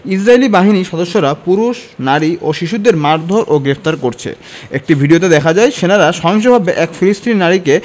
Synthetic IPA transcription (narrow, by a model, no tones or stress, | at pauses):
is̬ɾaelibaɦiniʃɔd̪oʃːoɾapuɾuʃnaɾiʔoʃiʃud̪eɾmaɾd̪ʱoɾʔoɡɾept̪aɾkoɾt͡ɕʰḛ | ek̚ʈibʱiɖiot̬ad̪ɛkʰad͡ʑaeʃenaɾaʃɔɦoŋʃ̬obʱabeʔɛkfilist̪ʰinnːaɽike